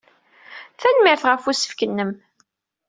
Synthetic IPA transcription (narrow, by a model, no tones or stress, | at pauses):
θænmɪɾθʁəfusə̥fkənːəm